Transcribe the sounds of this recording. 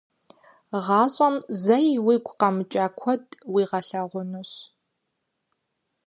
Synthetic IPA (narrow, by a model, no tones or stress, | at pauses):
ʁɑːɕʼɐmzɐjwiːɡʷʼqɐmɨt͡ʃʼaːkʷʰɔdʼwiːʁɐɬɐʁʷʊnɨɕ